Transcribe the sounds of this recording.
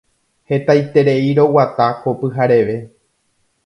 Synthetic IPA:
he̞t̪ajt̪e̞ɾe̞iɾo̞wat̪akopɨɦaɾe̞ʋe̞

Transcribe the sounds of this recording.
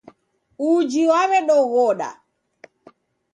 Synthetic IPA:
ud͡ʒiwaɾɛɗɔɣɔɗa̰

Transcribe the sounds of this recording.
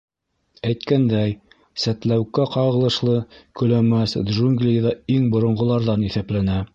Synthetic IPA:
æjt̪kænd̪æj | sæt̪læwkæqɑʁɤ̆lˠɤ̆ʃlˠɤkɵ̆læmæsd̪ʒuŋɡlʲijðɑiŋbŏɾŏɴʁŏlˠɑɾðɑniθæplænæ

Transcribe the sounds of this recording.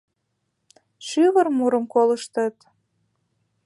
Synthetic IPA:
ʃyβərmuɾəmkoləʃt̪ət̪

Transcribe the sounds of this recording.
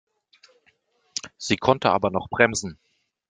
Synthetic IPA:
z̥iːkʰɔntəa̰ːbɐnɔχb̥ʁɛmzn̩

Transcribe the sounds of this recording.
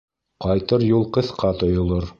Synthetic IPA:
qɑjt̪ɤɾjulˠqɤ̆θqɑt̪ŏjŏlˠoɾ

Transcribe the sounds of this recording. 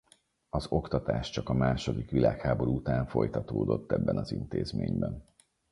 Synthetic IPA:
ɒzo̞kt̪ɒt̪aːʃt͡ʃɒkɒmaːʃo̞d̪ikʋilaːkhaːbo̞ɾuut̪aːɱfo̞jt̪ɒt̪oːd̪o̞t̪ːɛbːɛnɒzint̪eːzmeːɲbɛn

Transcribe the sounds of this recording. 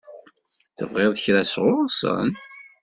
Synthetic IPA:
θə̰vʁeðˤəçɾæsʁʊɾˤɑsˤə̰n

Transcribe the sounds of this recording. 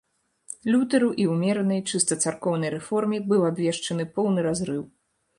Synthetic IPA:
lʲut̪ɐɾuʔiwmʲɛɾɐnɐjt͡ʂɨst̪ɐt̪sarkɔwnɐjɾɛfɔrmʲibɨwabʲvʲɛʂt͡ʂɐnɨpɔwn̪ɨɾazɾɨw

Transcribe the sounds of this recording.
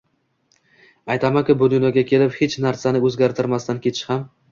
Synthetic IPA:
ajt̪ʰamakʲʊbʊd̪ʊnɒɡʲakʲʰe̞lɪphe̞t͡ʃnaɾsanɪɵzɡʲaɾt̪ʰɪɾmast̪ankʲʰe̞t̪ʰɪ̥ʃham

